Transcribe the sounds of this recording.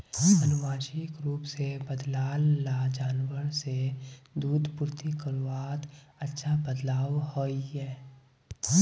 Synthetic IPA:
ɐnʊʋaːʃɪkɾuːpsebəd̪laːlːad͡ʒaːnwəɾsed̪uːd̪pʊɾt̪ikəɾʋaːt̪ɐtːʃʰabəd̪laːʋhoːiɦɛː

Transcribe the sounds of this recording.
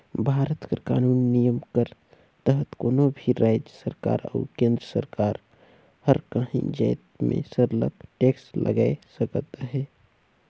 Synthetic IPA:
bʱaːɾət̪kə̰ka̰ːnuːnːijəmkəɾ | t̪əɦət̪koːnobʱiɾʔaːd͡ʒjəsəɾka̰ːɾə̰ʊkẽːnd̪ɾəsəɾkaːɾ | həɾkəɦḭ̃d͡ʒaːt̪mḛ̃səɾlə̰kʈeːksʈlʔə̰ɡaːesəkət̪ɦɛː

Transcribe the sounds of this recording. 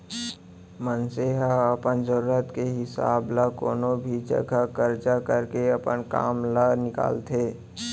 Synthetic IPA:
mənseɦaəpənzəɾuːɾət̪keɦɪsa̰ːblako̰ːnobʱid͡ʒə̰ɡʱakəɾd͡ʒakəɾkeɐpənka̰ːmlanɪka̰ːlt̪ʰeː

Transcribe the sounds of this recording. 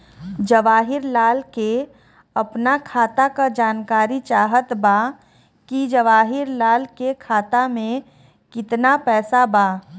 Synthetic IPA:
d͡ʒɐʋaːɦɪɾlaːlke | ɐpnakʰaːt̪akad͡ʒaːnkaːɾit͡ʃaːɦət̪ba | kid͡ʒəʋaːɦɪɾlaːlkekʰaːt̪amẽ | kɪt̪napɛːsabaː

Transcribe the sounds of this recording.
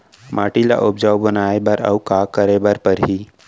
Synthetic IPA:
mʔaːʈila̰ʔʊb̚d͡ʒaːwbənaːebɐɾɐ̰ukaːkəɾebəɾpəɾɦiː

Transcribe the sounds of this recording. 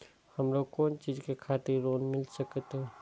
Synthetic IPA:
hɐmɾokoːnt͡ʃiːd͡ʒkekʰaːt̪ɪɾɾoːnmɪlsəkt̪ɦɛ̃

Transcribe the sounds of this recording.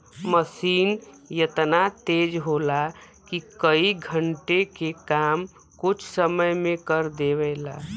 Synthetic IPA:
məsiːn | jət̪nat̪eːd͡ʒɦola | kikəiɡʱəɳʈekekaːm | kʊt͡ʃʰsəməjmẽkəɾd̪eʋɛɪla

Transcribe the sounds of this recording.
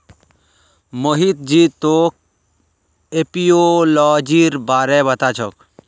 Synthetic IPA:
moɦit̪̚d͡ʒit̪oːk̚ | epijolɔːd͡ʒiɾbaːɾɛbət̪at͡ʃʰɔk

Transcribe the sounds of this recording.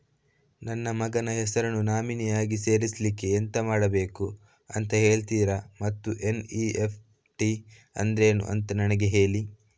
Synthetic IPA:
nɐnːɐmɐɡɐnɐɦɛsɐɾɐnunaːminijaːɡise̞ːɾisɐlikːe̞ːnt̪ɐmaːɽɐbe̞ːku | ɐ̰nt̪ɐɦe̞ːɭt̪iːɾɐmɐt̪ːuʔe̞niepʰ | ʈi | ɐ̰nd̪ɾe̞ːnṵʔɐ̰nt̪ɐnɐnɐɡeɦe̞ːɭi

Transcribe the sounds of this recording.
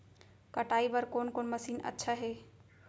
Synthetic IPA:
kəʈaːibəɾkoːnkoːnməsiːnə̰tːʃʰaɦe

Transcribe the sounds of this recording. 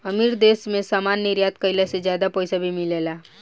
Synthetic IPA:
ɐmiːɾd̪eːsmẽsaːmaːnːiɾjaːt̪̚kəɪlased͡ʒjaːd̪apɔːsabʱimɪleːlaː

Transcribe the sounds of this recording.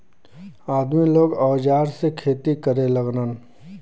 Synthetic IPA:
aːd̪miloːɡɔːd͡ʒaːɾsekʰeːt̪ikəɾeləɡnən

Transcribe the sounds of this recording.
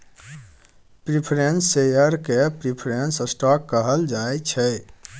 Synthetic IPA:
pɾipʰɾensejəɾkepɾipʰɾensəsʈɔkːəɦəld͡ʒaet͡ʃʰɛ

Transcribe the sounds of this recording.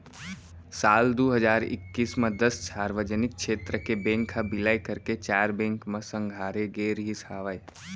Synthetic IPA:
saːld̪oːɦəd͡ʒaːɾɪ̰kːiːsmẽd̪əssaːɾʋəd͡ʒənɪk̚ʃeːt̪ɾəkebẽːŋkʰːabɪlaːjkəɾket͡ʃaːɾbẽːŋkmẽsə̃ŋɡʱaːɾeɡeːɾɦisaːʋae

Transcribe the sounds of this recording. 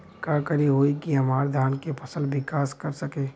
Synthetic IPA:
kakəɾiɦoːikiɦɐmaːɾd̪ʱaːnkepʰɐsəlʋɪkaːskɐɾsɐkeː

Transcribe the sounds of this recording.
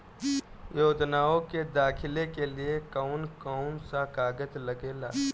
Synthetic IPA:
joːd͡ʒ̪naːõked̪aːkʰɪlekeliekaʊnkɔʊnsakaːɡət̪ləɡeːla̰ː

